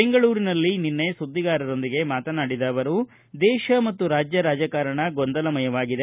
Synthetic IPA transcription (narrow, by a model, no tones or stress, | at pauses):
beŋɡɐɭuːɾinɐlːininːe̞sud̪ːiɡaːɾɐɾo̞nd̪iɡe̞maːt̪ɐnaːɽid̪aːʋɐɾu | d̪ɛːʃɐmɐt̪ːuɾaːd͡ʒjɐɾaːd͡ʒɐkaːɾɐɳɐɡond̪ɐlɐmɐjɐʋaːɡid̪e